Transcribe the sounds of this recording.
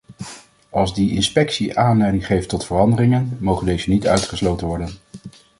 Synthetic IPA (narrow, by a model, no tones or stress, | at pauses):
ɑlˠzdiʔɪnspɛksiʔaːnlɛjdɪŋχejftɔtfərɑndərɪŋənmowχəndejzənitœ̰ɥtχəslowtənʋɔɹdən